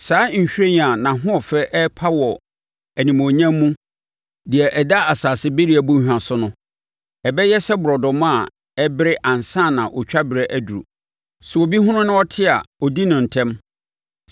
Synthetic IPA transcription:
saː˨˦ɲ̩˨ɕᶣɾe˦ɲ˨a˨nã˨ɦʊ̃˦ɔ˨fɛ˦ʔɛ˦pʰa˦wɔ˨ | æ˨nĩ˨mõ˨ɲã˦mː˦ũ˦ | di˨ɛ˨ʔɛ˨da˦a˨saː˨sɪ˦be˦ɾi˦æ˨bũ˦ɲ˦hᶣã˨sʊ˦nʊ̃˦ | ɛ˨bɛ˦jɛ˦sɛ˦bʊ˨ɾɔ˨dɔ˨mã˦˨ | ɛ˦bɪ˦ɾɪ˦ʔã˨n˨sã˦˨nã˨ʔɔ˨t͡ɕᶣa˦bɪ˨ɾɛ˦ʔæ˦du˨ɾṵ˨ | sʊ˨o˨bi˦ɦʊ̃˦nʊ̃˦nʊ̃˦ɔ˦tʰɪ˦a̰˨ɔ˨di˦nʊ̃˨n̩˨tʰɛ̃˦m

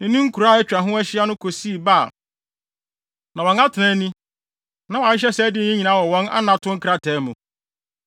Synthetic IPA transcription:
nɪ̃˨nĩ˦ŋ̩˦kʰu˨ɾa˦˨ɛ˦t͡ɕᶣa˨ɦʊ̃˦æ˦ɕɪ˦a˦nʊ̃˦kʰo˨si˦i˨ba˦˨ | nã˨wɔ̃˨na˦tʰɪ˨nã˦nĩ˦ | nã˨wa˨ɪ˦ɕ̬ɛ˦sɛ˦dɪ˦n˦ĩ˦ɲi˨nã˨˦wɔ˨wɔ̃˦na̰˦nã˨tʰʊ̃˦ŋ̩˦kʰɾa˦tʰɛː˨˦mʊ̃˨

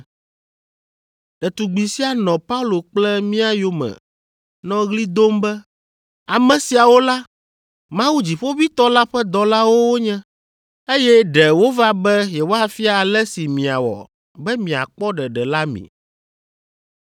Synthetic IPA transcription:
ɖɛ˨t̪u˨ɡ͡bi˨si˦a˨nɔ̃˨pa˦u˦lo˨k͡plɛ˦mĩ˦a˦jo˦mɛ̰̃˨ | nɔ̃˦ɣli˦d̪o˦mbɛ˦ | a˨mɛ̃˨si˨a˨wo˦la˦ | mã˦wu˦d͡ʑi˨ɸo˦vi˦t̪ɔ˦la˦ɸɛ˦d̪ɔ˨la˦wo˦wo˦ɲɛ̃˦ | e˦jɛ˦ɖɛ˨wo˦va˦bɛ˦je˨wo˦a˦fi˦a˨a˨lɛ˦si˨mĩ˨a̰˨wɔ̰˨ | bɛ˦mĩ˨a̰˨k͡pɔ˦ɖɛ˨ɖɛ˨la˦mḭ̃˨

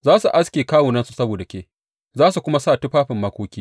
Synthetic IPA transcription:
zaː˦su˨ʔa˦skʲeː˨kaː˦wuː˨nɐ˦nsu˦sɐ˦boː˨da˨kʲeː˦˨ | zaː˦su˨kʷʊ˦ma˦saː˦˨tʊ˦ɸaː˦ɸɪ˨mːɐ˦kʷoː˦kʲiː˦

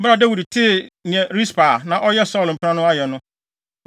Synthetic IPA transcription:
bɾa˨dɛ˦wu˨dtʰɪ˦˨ñ˨ɛ̃˨ɾi˦spa˨nã˨ʔɔ˦jɛ˦sɔ˦l̃m̩˨pʰɾã˦nʊ̃˦a˦jɛ˨nʊ̃˦

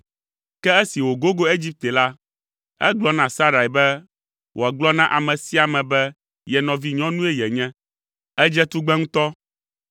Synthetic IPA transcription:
kɛ˦e˦si˨wo˨ɡo˦ɡo˦e˦d͡ʑi˦p̚t̪ɛ˨la˦ | ɛ̰˦ɡ͡blɔ˦nã˨sa˦ɾa˨i˨bɛ˦ | wʔo˨a˨ɡ͡blɔ˦nã˦ʔa˨mɛ̃˨si˦a˨mɛ̃˨bɛ˦ | jɛ˨nɔ̃˨vi˦ɲɔ̃˦nũ˦ɛ˦jɛ˨ɲɛ̃˦ | ɛ˦d͡ʒɛ˦t̪u˦ɡ͡bɛ˦ŋũ˦t̪ɔ˦

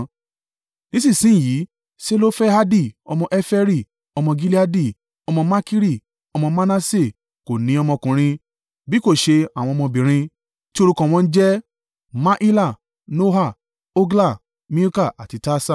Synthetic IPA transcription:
nĩ˦sĩ˦˨sĩ˨˦˨ji˨˦ | se˦lo˦fɛ˦a˦di˦˨ɔ˧mɔ̃˧ʔɛ˦fɛ˦ɾi˦˨ | ɔ˧mɔ̃˧ɡi˦li˦a˦di˦˨ | ɔ˧mɔ̃˧ma˦ki˦ɾi˦˨ | ɔ˧mɔ̃˧ma˦na˦se˦˨ | ko˨nĩ˨˦ɔ˧mɔ̃˧kũ˨ɾ̃ĩ˧ | bi˨˦ko˦˨ʃe˧a˨w̃ɔ̃˧mɔ̃˧bĩ˨ɾ̃ĩ˧ | ti˦o˧ɾu˧kã˧w̃ɔ̃˧n̩˦d͡ʒɛ˦ | ma˦ʔi˦la˦˨ | no˦ɦa˦˨ | o˦ɡla˦˨ | mĩ˦u˦ka˦˨a˨ti˧ta˦sa˦˨

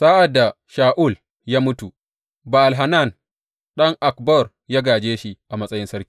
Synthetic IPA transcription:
saː˦ʔa˨dːa˨ | ʃaː˨ʔu˦˨l | jaː˦mʊ˦tu˨ | ba˨ʔa˨lɦa˨na˦˨n | ɗɐ˦ŋʔa˨kbɔ˦˨r | ja˦ɡaː˨d͡ʒeː˦ʃi˦ʔa˨mɐ˦sʼɐ˦jɪ˦nsɐ˦ɾkʲi̥ːiː˨

